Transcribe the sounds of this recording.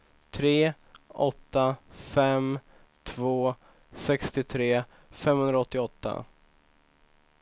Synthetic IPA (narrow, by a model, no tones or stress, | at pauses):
t̪ʰɾeː | ʔɔt̪ːafɛm | t̪ʰvoː | sɛkst̪ɪt̪ʰɾeː | fɛmhɵnɾaɔt̪ːɪɔt̪ːa̰